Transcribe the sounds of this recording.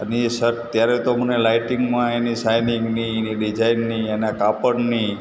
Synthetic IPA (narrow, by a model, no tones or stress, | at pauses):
ənisəɾʈt̪jaɾɛt̪omənelajʈiŋɡmãenisajniŋɡnieniɖid͡ʒajnːienakapənni